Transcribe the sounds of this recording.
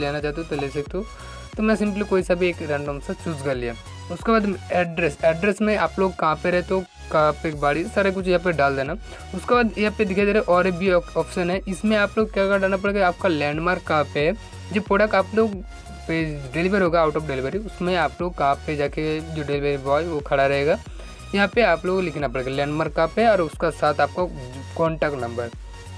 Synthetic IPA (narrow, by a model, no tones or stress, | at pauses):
leːnat͡ʃaːɦt̪ẽt̪ɐleːsɐk̚t̪ː | t̪omɛ̃ːsɪ̃mʈlikoːisɐbʱieːkɾɛ̃ɳɖɔ̃ːmsɐ̃sʊzɡɐɾliaː | ʊskebaːd̪ɛːɖɾɛsɛːɖɾɛsmẽaːploːɡ̚kɐɦãpeɾɛɦet̪õ | kaːpeːkbaːɽisaːɾek̬ʊt͡ʃʰjɐɦãpeɖaːld̪eːnaː | ʊskebaːd̪jɐɦãped̪ɪkʰed̪eːɾeʔɔːɾbʱiɔːpʃənɦɛɪsmẽaːploːɡ̚kjaːkaɖaːnap̬ɐɽeɡeaːp̚kalɛ̃ːɳɖmaːɾkːaːpɛ | d͡ʒoːpɾoːɽəkʈaːploːɡ | peɖeːlɪʋəɾɦoːɡaːʊʈɔːfɖeːlɪʋəɾiʊsmẽaːploːɡkɐɦãped͡ʒaːked͡ʒoɖeːlɪʋəɾibɔːd͡ʒʋokʰɐɽaɾɐɦeːɡaː | jɐɦãpeaːploːɡlɪkʰnapɐɽeːɡalɛ̃ːɳɖmaːɾkaːpɦɛɔːɾʊskasaːt̪ʰaːp̚ka | kɔ̃ːɳʈɛːkʈnɐ̃mbəɾ